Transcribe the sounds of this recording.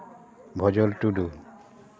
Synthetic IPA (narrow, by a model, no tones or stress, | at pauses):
bʱɔd͡ʒɔlʈuɖu